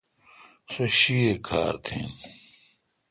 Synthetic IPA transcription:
soɕiekʰa̰ːɾt̪ʰḭ̃ːn

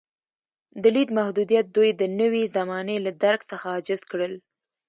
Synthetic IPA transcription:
d̪əlid̪mahd̪ud̪ijat̪̚d̪ujd̪ənəwizamɑnelad̪aɾɡsəxaɑd͡ʒɪzkɽəl

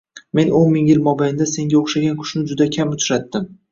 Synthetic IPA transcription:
me̞nonmɪŋjɪlmɒbajɪnd̪ase̞ŋɡʲaoχʃaɡʲankʰʊ̥ʃnɪd͡ʒʊd̪akʲʰamʊt͡ʃ̪ʰɾat̪ːɪm

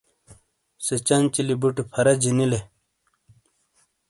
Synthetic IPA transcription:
set͡ɕɐnt͡ɕilibuʈipʰɐɾɐd͡ʑinile

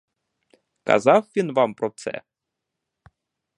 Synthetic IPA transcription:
kɑ̰zɑfːʲinvɑmprot̪t͡sɛ̰

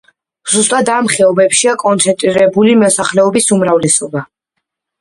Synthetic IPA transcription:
z̥ust̪ʼad̪amχɛɔbɛpʃiakʼɔnt̪sʰɛnt̪ʼɾiɾɛbulimɔsaχlɛɔbisumɾavlɛsɔba

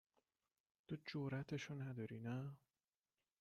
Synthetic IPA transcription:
t̪ʰod͡ʒoɾæt̪ʰeʃonæd̪ɒɾinæ

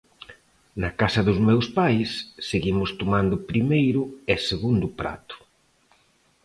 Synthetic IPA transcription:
nɐkasɐðʊzmewspajsːeɣimʊst̪omand̪ʊpɾimejɾʊeseɣund̪ʊpɾa̰t̪ʊ̥

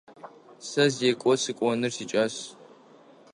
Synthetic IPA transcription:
sɐzeːkʷʼɔsɨkʷʼɔnɨrsit͡ʃʼɐs

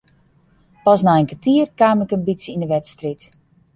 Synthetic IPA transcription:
pɔsnaənkətiːərkaːmɪkənbitsəindəʋɛtstrit

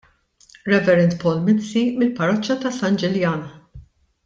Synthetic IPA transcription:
ɾɛvɛɾɛnt̪pɔːlmɪnsimɪlpɐɾɔt͡ʃːɐt̪ɐsɐnd͡ʒɛljɐːnɐ

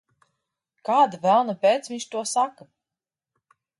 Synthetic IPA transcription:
kaːd̪avælˠnapɛːt̪sviɲʲt͡ʃt̪uɔsaka

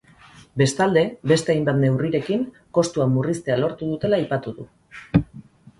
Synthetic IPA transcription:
be̞st̪ald̪e̞be̞st̪e̞ajmbat̪ne̞wriɾe̞kiŋ | ko̞st̪uamurist̪e̞alo̞ɾt̪uðut̪e̞laːjpat̪uðu

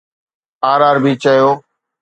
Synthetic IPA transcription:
aːɾaːɾbʱiːt͡ʃəjoː

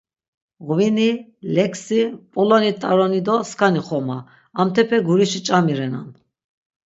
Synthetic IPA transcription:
ʁvinilɛkʰsipʼulɔnit̪ʼaɾɔnid̪ɔskʰaniχɔma | amt̪ʰɛpʰɛɡuɾiʃit͡ʃʼamiɾɛna̰n

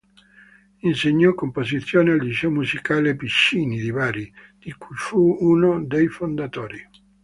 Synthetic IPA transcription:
inseɲːɔkːompozit̪sːjoːneald̪isɛomuzikaːlepiʃːiːnid̪ivaːɾid̪̥ikujfuuːnod̪ejfond̪at̪ɔːɾi

